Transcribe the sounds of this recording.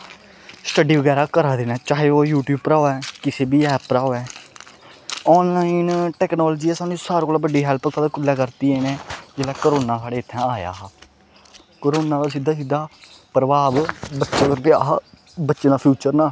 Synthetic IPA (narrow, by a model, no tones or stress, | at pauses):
sʈəɖiːʋəɡɛːɾaːkəɾaːd̪eːnɛːt͡ʃaːɦeːoːjuːʈjuːb̚pəɾaːɛːkɪseːbiːɛːpːɾaːoɛː | ɔːnlaːinʈɛːknɔːld͡ʒiːɛːsaːnũsaːɾkoːlaːbəɖiːɦɛːlpksʰaːd̪akʊlːaːkəɾt̪iːenẽːd͡ʒeːlaːkəɾoːnãːsaːɽeːɪt̪ʰːɛ̃ːaːja̰ː | kəɾoːnaːd̪aːsid̪aːs̬id̪ːaːpəɾəʋaːbbətːt͡ʃʃeːkəɾpeːa | bətːʃeːd̪aːpʰjuːt͡ʃəɾnaː